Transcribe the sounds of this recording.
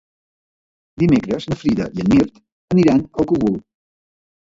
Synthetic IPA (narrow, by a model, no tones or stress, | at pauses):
d̪imekɾəznəfɾiðə̰ʔiənːirt̪ | əniɾanəlˠkəɣul